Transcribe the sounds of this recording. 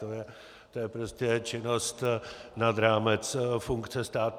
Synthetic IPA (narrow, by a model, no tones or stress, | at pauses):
ojɛ | t̪o̞jɛpɾo̞scɛt͡ʃɪno̞st̪nad̪ɾaːmɛt͡sfuŋkt͡sɛst̪aːt̪